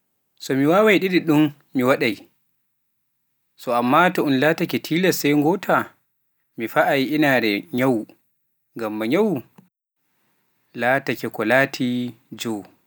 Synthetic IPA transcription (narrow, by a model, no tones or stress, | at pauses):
sɔmiwaːwajɗiɗiɗun | miwaɗaj | sɔamːaːtɔunlatakɛtʰiːlɛsajŋɡɔːtʰa | mifaʔajʔinaɾɛɲaw | ŋɡamːaɲawu | latakɛkɔlaːtʰi | d͡ʒɔ